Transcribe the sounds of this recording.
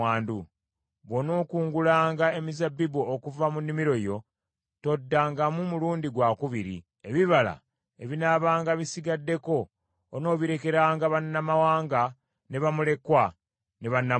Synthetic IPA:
aːndu | βo̞no̞ːkuːŋɡulaːŋɡae̞mizabːibuokuvamunːimiɾo̞jo̞ | to̞dːaŋɡamumuluːndiɡwakuβiɾḭ | e̞βiβala̰ | e̞βinaβaːŋɡaβisiɡadːe̞ko̞ː | no̞ːβiɾe̞ke̞ɾaːŋɡaβanːamawaːŋɡa | ne̞βamule̞kwa | ne̞βanːa

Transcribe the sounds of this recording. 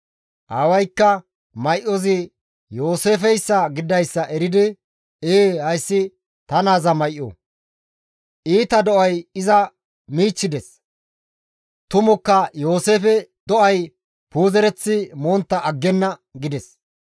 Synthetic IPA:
ʔɐwɐjkːɐ | mɐjʔɔzɪ | jo̞ːse̞ːfɛjsːɐɡɪd̪ɐjsːɐʔɛɾɪd̪ɪ | eːhɐjsːɪ | t̪ɐnaːzɐmɐjʔːo̰ | ʔiːt̪ɐd̪ɔʔɐjɪzɐ | miːt͡ʃːɪd̪ɛs | t̪ʊmɔkːɐjo̞ːse̞ːfɛd̪ɔʔɐj | puːzɛɾɛt͡sːɪmoːnt̪ːɐʔːɡːɛnːɐɡɪd̪ɛs

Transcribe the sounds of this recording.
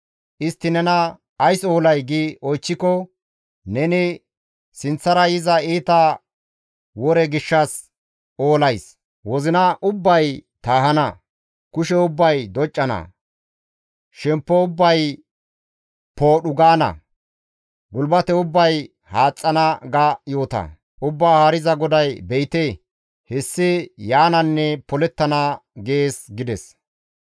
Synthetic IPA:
ʔɪst̪ːɪnɛnɐː | jso̞ːlɐjɡiʔɔjt͡ʃːɪkɔ | nɛnɪ | sɪnt͡sːɐɾɐjɪzɐiːt̪ɐ | wɔɾɛɡɪʃːɐs | oːlɐjs | wɔzɪnɐʔʊbːɐjt̪aːɦɐnɐ | kʊʃɛʊbːɐjd̪ɔt͡ʃʼːɐnɐ̰ | ʃɛmpːɔʊbːɐj | po̞ːɗʊɡaːnɐ̰ | ɡʊlbɐt̪ɛʊbːɐj | haːt͡sʼːɐnɐɡɐjo̞ːt̪ɐ̰ | ʊbːaːhaːɾɪzɐɡɔd̪ɐjbɛjt̪e | hɛsːɪjaːnɐnːɛpɔlɛt̪ːɐnɐɡe̞ːsɡɪd̪ɛs

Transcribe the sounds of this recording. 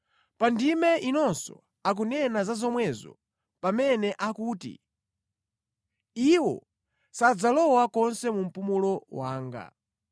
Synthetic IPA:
pandimɛʔinɔnsɔ̰ | ak̬unɛnazazɔmwɛzɔ̰ | pamɛnɛʔakuːtḭ | iwɔ̰ | sad͡zalɔwakɔnsɛmum̩pumulɔwaːŋɡa̰

